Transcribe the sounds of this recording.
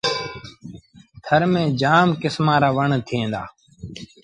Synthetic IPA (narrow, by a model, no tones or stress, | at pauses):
t̪ʰəɾmẽːd͡ʒaːmkɪsmãːɾaːʋəɳt̪ʰiẽːnd̪a̰ː